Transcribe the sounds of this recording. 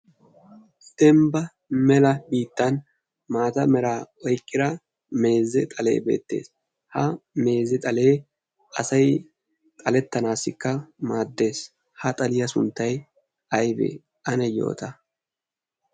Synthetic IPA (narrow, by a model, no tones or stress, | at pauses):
d̪̥ɛmbɐ | mɛlɐbiːt̪ːɐn | maːt̪ɐmɛɾaːɔjkʼːɪd̪ɐ | me̞ːzːɛt̪ʼɐle̞̰ːbe̞̰ːt̪ːe̞̰ːs | hɐme̞ːzːɛt̪ʼɐle̞ː | ʔɐsɐj | t̪ʼɐlɛt̪ːɐnaːsɪkːɐmaːd̪ːe̞ːs | hɐt̪ʼɐlɪjɐsʊnt̪ːɐj | ɐjbḛː | ʔɐnɛjo̞̰ːt̪ɐ